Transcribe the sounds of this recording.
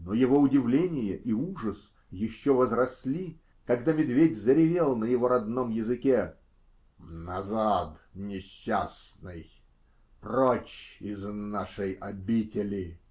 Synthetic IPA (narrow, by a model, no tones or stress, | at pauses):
nojɪvoʊdʲɪvlʲenʲɪjəʔiuʐəs | jɪɕːovəzrɐsʲlʲi | kɐɡd̪amʲɪd̪vʲedʲzəɾʲɪvʲelˠnəjɪvo̞ɾɐd̪no̞mjɪzɨkʲe | nɐzat̪nʲɪɕːasnɨj | prot͡ɕɪznaʂɨjɐbʲitʲɪlʲɪ